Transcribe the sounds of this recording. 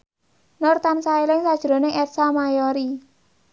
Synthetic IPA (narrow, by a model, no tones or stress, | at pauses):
nɔrt̪ansaelɪŋsad̥ʒ̥ɾo̤nɪŋʔɛt̪̚samajoɾi